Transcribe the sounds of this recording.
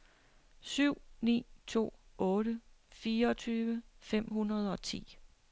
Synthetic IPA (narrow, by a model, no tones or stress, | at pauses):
syʊ̰nḭːt͡sʰo̝̰ːɔ̽ːɾə | fiːɐɒt͡sʰyːʋəfem̰ɦunɐð̞ˠɒ̽t͡sʰḭː